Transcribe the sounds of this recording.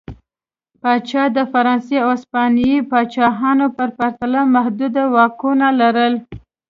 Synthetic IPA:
pɑt͡ʃɑd̪əfaɾɑnseaspɑnjipɑt͡ʃɑɦɑnopəɾpaɾt̪alamahd̪ud̪awɑkunalaɾəl

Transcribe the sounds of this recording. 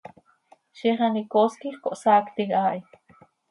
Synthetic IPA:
ʃiχɑnikoskiχkoʔsaːkt̪ikaːʔi

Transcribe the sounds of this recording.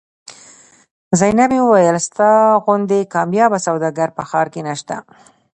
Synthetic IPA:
zajnabewəwajəlst̪ɑɣʊnd̪ekɑmjɑbasawd̪ɑɡaɾpəxɑɾkenaʃt̪a̰

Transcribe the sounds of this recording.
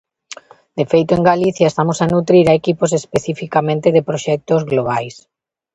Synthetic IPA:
d̪efejt̪oeŋɡaliθjaest̪amosanut̪ɾiɾaekiposespeθifikamẽnt̪eðepɾoʃɛk̚t̪ozɣloβajs

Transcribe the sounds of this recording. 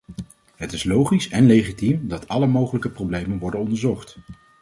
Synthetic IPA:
ɦətɪslowχisɛnlejχitimdɑtɑləmowχələkəprowblejmənʋɔɹdənɔndəɹzɔχt

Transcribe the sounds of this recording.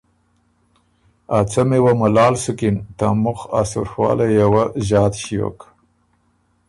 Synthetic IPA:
at͡samewamalɑːlsʊkɪnt̪amʊxa̰sṵɾxwɑ̰ːlejawaʑɑːt̪ɕijo̰k

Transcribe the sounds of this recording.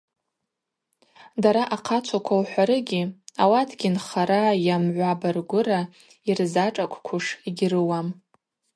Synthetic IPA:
daɾaʔaqʰat͡ʃʷʰakʷʰawħʷaɾɨɡʲiawatʰɡʲinχaɾajamʕʷabarɡʷʊra | irzaʈ͡ʂʼakʷʰʼkʷʰuʂiɡʲrɨwam

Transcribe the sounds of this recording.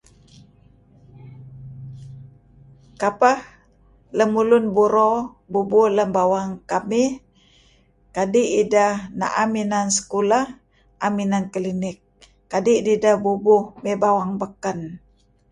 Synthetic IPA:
kapah | ləmulunbuɾo | bubuhləmbawaŋkamih | kadiʔidahna̰ʔaminansə̥kulah | ʔaminankəlinɪk̚ː | adiʔdidahbubuhmebawaŋbəkən

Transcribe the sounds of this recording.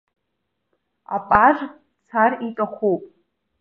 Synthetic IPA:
a̰pʼaʐ | t͡sʰaritʼaχʷupʼ

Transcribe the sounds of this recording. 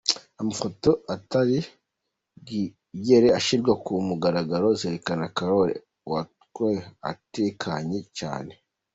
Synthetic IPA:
amafoto̞ataɾi | ɡi | je̞ɾeaʃiɾɡwakumuɡaɾaɡaɾozeɾekanakaɾoɾḛ | watkoea̰tekʰaɲet͡ʃa̰ːne̞

